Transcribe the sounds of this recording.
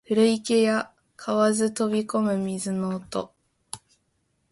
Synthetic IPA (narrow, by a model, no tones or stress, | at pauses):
ɸɯ̟ɾɯ̟ike̞ja | kʰaβazɨt̪o̞bʲiko̞mɯ̟mʲizɨnoːt̪o